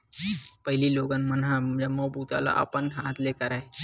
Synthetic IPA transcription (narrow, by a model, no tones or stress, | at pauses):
pəɦiliːloɡanmənɦajaməwbut̪a̰la̰ʔa̰pənɦãt̪lekəɾae